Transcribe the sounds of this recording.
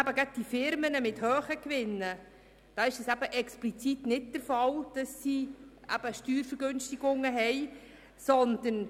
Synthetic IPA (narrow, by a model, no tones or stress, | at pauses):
æbəɡad̚d̥ifɪɾmənəmɪthœːχəkʋɪnːə | d̥ɑːɪʃəsæbəʔɛksplit͡sit̪nɪt̚d̥əɾfɑld̥ɑsːiæ̰b̥əʃtyːɾfəɾɡønstiɡ̥ʊŋːəɦɛj | sɔnd̪̥ən